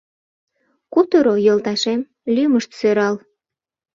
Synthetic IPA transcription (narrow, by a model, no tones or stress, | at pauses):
kut̪oɾojɤlt̪ɑʃem | lyməʃt̪søɾɑl